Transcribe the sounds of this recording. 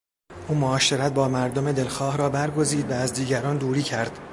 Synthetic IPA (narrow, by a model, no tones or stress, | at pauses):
ʔuːmoɒːʃe̞ɾæt̪̚bɒːmæɾd̪ome̞d̪e̞lxɒːhɾɒːbæɾɡo̞ziːd̪væːzd̪iːɟæɾɒːnd̪uːɾiːcʰæɾd̪̥